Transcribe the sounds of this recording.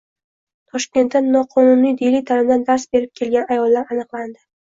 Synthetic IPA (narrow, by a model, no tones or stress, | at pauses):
t̪ʰɒʃkʲe̞nt̪ːanːɒqʰɒnʊnijd̪elɪjt̪ʰalɪmd̪and̪aɾsbe̞ɾɪp̚kʲʰe̞lɡʲanajɒlˠːaɾanɨqlˠand̪ɪ